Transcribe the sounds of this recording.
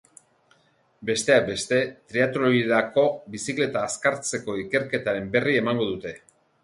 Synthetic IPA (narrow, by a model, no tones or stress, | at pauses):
be̞st̪e̞ak̚be̞st̪e̞t̪ɾiat̪oɾoiɾako̞bisikle̞t̪aːskaɾt͡se̞ko̞ike̞ɾke̞t̪aɾe̞mbe̞rie̞maŋɡo̞ðut̪e̞